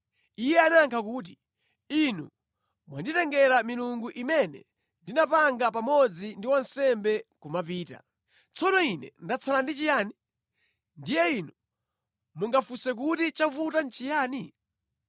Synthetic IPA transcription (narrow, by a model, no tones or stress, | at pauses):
ijɛanaŋkʰakuːt̬i | inṵ | mwanditɛŋɡɛɾamiluŋɡuʔimɛnɛ̰ | ndinapaŋɡap̬amɔd͡zindiwansɛmbɛkumap̬iːta̰ | t͡sɔnɔinɛ̰ndat͡sʰalandit͡ʃijaːni | ndijɛinu | muŋɡafusɛk̬utit͡ʃavutant͡ʃijaːni